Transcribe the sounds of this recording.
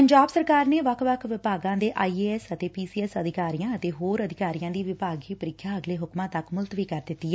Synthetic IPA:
pəɲd͡ʒaːbsəɾkaːɾneːʋəkʰʋəkʰʋɪpaːɡãːd̪eːʔaːiːeːɛsət̪eːpiːsiːɛsəd̪ɪkaːɾijãːət̪eːɦoːɾəd̪ɪkaːɾijãːd̪iːʋɪpaːɡiːpəɾɪkʰːjaːəɡleːɦʊkmãːt̪əkmʊlt̪ʋiːkəɾd̪ɪt̪ːiːɛː

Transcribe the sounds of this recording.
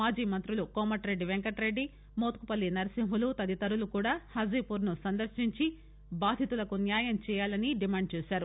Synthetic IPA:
aːd͡ʒiːmɐnt̪ɾulukoːmɐʈɾe̞ɖːiʋeŋkɐʈɾe̞ɖːi | moːt̪̚kupɐlːinɐɾɐsimɦulut̪ɐd̪it̪ɐɾulukuːɽaːhɐzipuɾnusɐnd̪ɐɾʃiɲt͡ʃi | baːd̪ʱit̪ulɐkunjaːjɐmt͡ʃɛːjaːlɐniɖimaːɳɖ̚t͡ʃɛːsaːɾu

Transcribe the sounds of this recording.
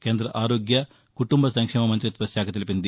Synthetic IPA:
ke̞ːnd̪ɾɐʔaːɾoːɡjɐ | kuʈumbʱɐsɐŋkʂɛːmɐmɐnt̪ɾɐt̪ʋɐsjaːkʰɐt̪elipind̪i

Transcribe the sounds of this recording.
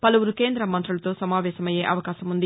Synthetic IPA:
pɐlɐʋuɾuke̞ːnd̪ɾɐmːɐnt̪ɾulɐt̪o̞ːsɐmaːʋɛːʃɐmɐjeːʔɐʋɐkaːʃɐmund̪i

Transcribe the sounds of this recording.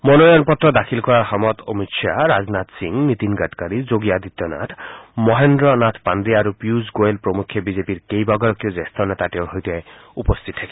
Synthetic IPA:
mɔnɔjɔnpɔt̪ɾɔd̪akʰilkɔɾaɦɔmɔt̪omiʃʰaɾad͡ʒnat̪siŋmit̪inɡaʈkaɾid͡ʒoɡijad̪it̪ːjɔna̰t̪ʰmɔɦend̪ɾɔnat̪ʰpand̪iaɾupjuzɡoelpɾɔmukʰjɔbid͡ʒepiɾkejbaɡɔɾɔkjɔd͡ʒest̪ʰɔnet̪aʈiɔɦojt̪a | upɔst̪ʰit̪tʰaki

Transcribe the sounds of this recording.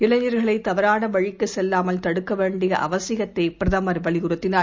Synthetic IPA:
ɪɭɐɲɐɾɣɐɭɐɪt̪ːɐʋɐɾaːnɐʋɐɻɪkːɯsɛlːaːmɐlt̪ɐɽɯkːɐʋeːɳɖɪjɐʔɐʋɐsɪɣɐt̪ːɐɪpɪɾɐðɐmɐɾʋɐɭɪɣʊɾɐt̪ːɪnaː

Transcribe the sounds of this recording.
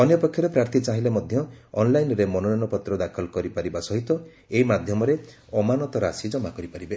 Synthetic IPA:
ɔnjɔpɔkʰːjɔɾepɾaɾt̪ʰit͡ʃaɦilemɔd̪ʱjɔɔnlajnɔɾemɔnɔnɔnɔpɔt̪ɾɔd̪akʰɔlɔkɔɾipaɾibasɔɦit̪ɔ | eɦimad̪ʱjɔmɔɾe | ɔmanɔt̪ɔɾasid͡ʒɔmakɔɾipaɾibe

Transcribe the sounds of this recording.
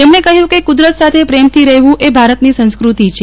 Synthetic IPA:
t̪emnekəɦjũkekʊd̪ɾət̪sat̪ʰepɾemt̪ʰiɾəɦʋũʔebʱaɾət̪nisə̃nskɾut̪it͡ʃʰe

